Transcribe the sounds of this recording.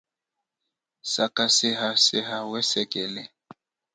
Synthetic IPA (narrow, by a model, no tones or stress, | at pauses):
sakasɪɦasɪɦawɛsɛkʼɛlɛ